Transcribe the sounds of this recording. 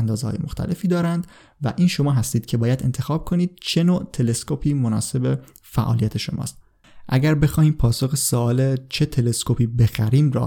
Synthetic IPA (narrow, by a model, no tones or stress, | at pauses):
nd̪ɒːzehɒ̰ːjemoxt̪ʰæ̰lʔe̞fiːd̪ɒːɾænd̪ | væ̰ʔiːnʃo̞mɒːɦæst̪iːd̪̚cʰe̞bɒːjæd̪e̞̰nt̪ʰe̞xɒːb̥̚kʰo̞niːd̪̥̚t͡ʃʰe̞noːʔt̪ʰe̞le̞skopʰiːmonɒ̰ːse̞be | fæʔɒ̰ːlijæt̪ʰe̞ʃo̞mɒ̰ːst̪̚ | ʔæɟæɾbe̞xɒːhiːmpʰɒːsoxesoɒːlet͡ʃʰe̞t̪ʰe̞leskʰopʰiːbe̞xæɾiːmɾɒ̰ː